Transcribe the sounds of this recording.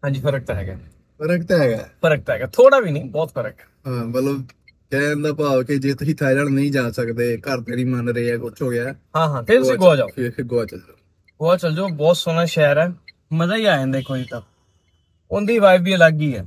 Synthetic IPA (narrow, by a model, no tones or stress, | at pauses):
ɦãːnd͡ʒiːpʰəɾək̚t̪ɦɛːɡaː | pʰəɾəkt̪ɦɛːɡa̰ːpʰəɾək̚t̪ɦɛːɡaːt̪ʰoːɽaːbiːnə̃ːbɔːt̪pʰəɾək̚ | ɦãːmələb | d͡ʒɛ̃ːnd̪aːpaːokɪd͡ʒeːt̪ʊsĩːt̪ʰaːd͡ʒəɽnəĩːd͡ʒãːsəkd̪eːkəɾt̪eːnĩːmənɾəeːɛːkʊt͡ʃʰɦoːɡɪaːɦãːɦãːt̪ʰeːt̪ʊsĩːɡoːaːd͡ʒaːoɡoaːt͡ʃəld͡ʒ | ɡoːaːt͡ʃəld͡ʒoːbɔːt̪soːnãːʃɛːɾɛː | məzaːiːaːẽːnd̪eːkoːit̪a | ʊnd̪iːʋaːɪʋiːlaɡiːɛ̰ː